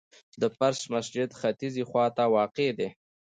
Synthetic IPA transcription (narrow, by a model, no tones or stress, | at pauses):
d̪əpaɾsmasd͡ʒɪd̪xat̪izixwɑt̪awɑqed̪e